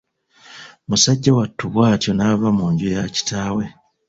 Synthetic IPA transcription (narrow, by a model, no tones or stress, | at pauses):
musaɟːawatːuβwaːtjo̞naːβamuːɲɟujaci̥taːwe̞